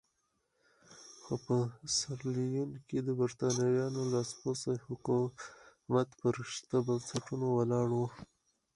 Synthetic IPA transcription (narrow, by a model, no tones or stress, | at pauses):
xopəsaɾlijunked̪əbaɾt̪ɑnajɑnolɑsposahʊku | mat̪pəɾɪʃt̪abansaʈunowalɑɽwu